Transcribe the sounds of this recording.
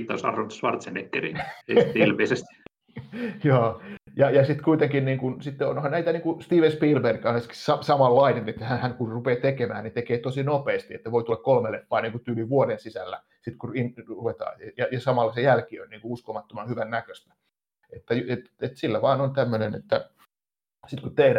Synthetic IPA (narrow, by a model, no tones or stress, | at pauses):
t̪ːɑosɑ̰rʋɑnt̪sʋɑ̰rt̪senekːḛrḭneilmeisest̪ | joːjɑjɑsit̪kuit̪eŋkinniːŋkunsit̪ːeonhɑnnæit̪æniːŋkust̪iːʋenspiːlberkɑneski̥ssɑsɑmɑlːɑinenet̪ːæhænhænkurrupeːt̪ekemæːnnit̪ekeːt̪osinopeːst̪iet̪ːæʋoit̪ulːɑkkolmelefːɑːniːŋkut̪yːliʋʋuodensisælːæ̰ | sit̪kuinruʋet̪ɑ̰ːjɑjɑsɑmɑlːɑsejælkiø̰nniːŋkuuskomɑt̪ːomɑnhyʋænnækøst̪æ̥ | et̪ːæjet̪et̪silːæʋɑːnont̪æmːønenḛt̪ːæ̰ | sit̪kut̪ehdæ